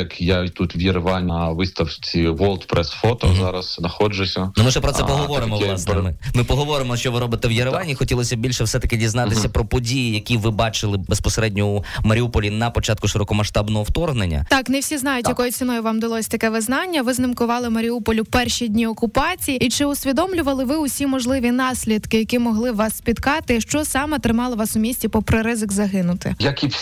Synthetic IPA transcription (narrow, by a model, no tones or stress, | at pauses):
jɐkjat̪ut̪ʋjɪɾʋɑnʲʋɪst̪ɐwt͡sʲiʋɔlˠt̪pɾɛsfɔt̪ɔzɑɾɐsnɐxɔd͡ʒʊsʲɐnʊmɪʃɛpɾɔt̪sɛpɔɦɔʋɔɾɪmɔɑsnɛmɪmɪpɔɦɔʋɔɾɪmɔʃt͡ʃɔʋɪɾɔbɪt̪ɛwjɐɾʋɑnʲːixɔtʲilˠɔsʲɐbʲilʲʃɛwsɛt̪ɐ̥kɪdʲiznɑt̪ɪsʲɐpɾɔpɔdʲijijɐkʲiʋɪbɑt͡ʃɪlˠɪbespɔseɾɛdʲnʲɔumɐɾʲiupɔlʲinɐpɔt͡ʃɑt̪kʊʃɪɾɔkɔmɐʃt̪ɑbnɔɦɔwt̪ɔrɦnḛnʲːɐ̰t̪ɑknewsʲiznɑjʊt̪ʲjɐkɔjʊt͡sʲinɔjʊʋɑmd̪ɪlˠɔsʲɐt̪ɐkɛʋɪznɑnʲːɐʋɪznɪmkʊʋɑlˠɪmɐɾʲiupɔlʲʊpɛrʃʲidʲnʲiɔkʊpɑt͡sʲijiit͡ʃɪʊsʲʋʲid̪ɔmlʲʊʋɐlˠɪʋɪʊsʲimɔʒlˠɪʋʲinɑsʲlʲid̪kɪjɐkʲimɔɦlˠɪʋɑsːʲpʲit̪kɑt̪ɪʃt͡ʃɔsɑmɛt̪ɾɪmɑlˠɐʋɑsʊmʲisʲtʲipɔpɾɪɾɪzɪɡzɐɦɪnʊt̪ɪ̰jɐkʲi